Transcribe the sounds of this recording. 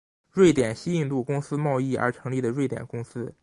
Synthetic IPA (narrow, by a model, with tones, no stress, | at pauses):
ɻwe˥˩ɪt̪jɛ˨˩nɕi˥i˥˧ŋt̪u˥˩kʊ˥ŋsɹ̩˥mɑ˥˧ʊi˥˩ə̰˞˧˥ʈ͡ʂʰɤ˧˥ŋli˥˩d̪ə˩ɻwe˥˩ɪt̪jɛ˨˩nkʊ˥ŋsɹ̩˥